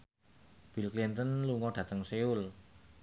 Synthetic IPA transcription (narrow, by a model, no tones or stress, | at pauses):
b̥ilklint̪ənluŋɔɖ̥ä̤t̪əŋseʊl